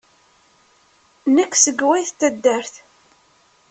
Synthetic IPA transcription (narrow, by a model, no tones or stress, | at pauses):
nəkːsəɡwæjθt̪ːəd̪ːæɾθ